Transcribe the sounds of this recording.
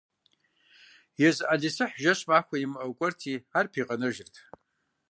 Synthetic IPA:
jazʔaɮʲisɨħʒaʃʷmaχʷaimʔawkʷʼɨrtʰiarpʰiqʼanɨʒɪrtʰ

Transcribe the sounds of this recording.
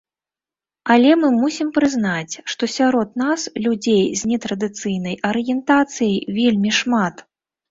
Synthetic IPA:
ɐlʲɛmɨmusʲimpɾɨznat͡sʲʂt̪ɔsʲaɾɔd̪naslʲud͡zʲejzʲnʲɛt̪ɾɐd̪ɨt̪sɨjnɐjʔɐɾɨjɛnt̪at̪sɨjɐjvʲelʲmʲiʂmat̪

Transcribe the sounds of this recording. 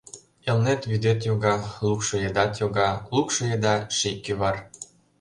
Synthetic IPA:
elnet̪βyd̪et̪joɣɑlukʃɤjed̪ɑt̪joɣɑlukʃɤjed̪ɑʃikːyβɑr

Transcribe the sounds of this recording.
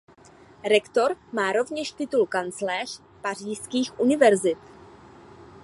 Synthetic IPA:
ɾɛkt̪o̞ɾmaːɾo̞vɲɛʃt̪ɪt̪ulkant͡slɛːr̝̥ | par̝iːskiːxʔunɪvɛɾzɪt̪

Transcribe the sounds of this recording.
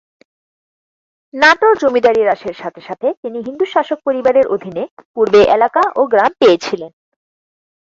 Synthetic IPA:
naʈod͡ʑomid̪aɾiɾaʃeɾʃat̪ʰeʃat̪ʰet̪iniɦind̪uʃaʃok̚poɾibaɾeɾʔod̪ʱinepuɾbeʔelakaʔoɡɾampeet͡ɕʰilen

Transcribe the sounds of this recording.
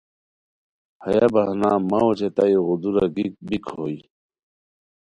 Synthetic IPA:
hɐjabaɦnaːmaot͡ɕet̪aiɣud̪uɾaɡik̚bikʰhoji

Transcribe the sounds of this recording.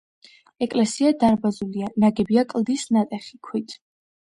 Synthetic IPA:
ɛkʼlɛsiad̪aɾbazulianaɡɛbiakʼlˠd̪isnat̪ʼɛχikʰwit̪ʰ

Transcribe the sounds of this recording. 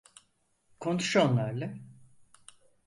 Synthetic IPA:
kʰo̞nuʃonlˠaɾla

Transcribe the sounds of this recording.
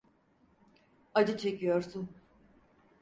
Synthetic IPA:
ad͡ʒɯt͡ʃʰe̞cʰijo̞ɾsun

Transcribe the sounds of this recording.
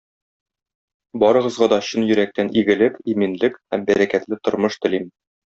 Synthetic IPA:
bɒɾɤ̆ʁɤ̆zʁɑd̪ɒɕɵnjɵ̆ɾæk̚t̪ænʔiɡɘ̆lɘkiminlɘkhæmbæɾækæt̪lɘt̪ŏɾmɤʃt̪ɘ̆lim

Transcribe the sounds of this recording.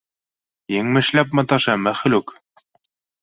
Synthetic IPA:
jɘŋmɘ̆ʃlæp̚mɑt̪ɑʃɑmæχɘ̆lʉk

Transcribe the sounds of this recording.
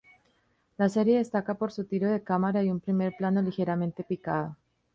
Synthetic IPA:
lase̞ɾje̞ðe̞st̪akapo̞ɾsut̪iɾo̞ðe̞kamaɾajumpɾime̞ɾplano̞lixe̞ɾamẽ̞nt̪e̞pikaðo

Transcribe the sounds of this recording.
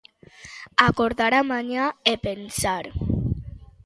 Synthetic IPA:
akoɾðaɾamaɲaepensaɾ

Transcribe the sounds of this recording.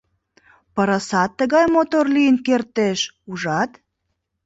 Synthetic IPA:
pəɾəsɑt̪ːəɣɑjmot̪orlijənkert̪eʃ | uʒɑt̪

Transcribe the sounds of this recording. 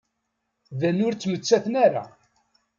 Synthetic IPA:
ðænʊɾt͡sːmət͡sːæθənæɾa̰

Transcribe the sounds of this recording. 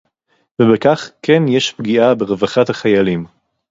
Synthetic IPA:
vebekaχkenjeʃpɡiabeʁevaχat̪haχajalim

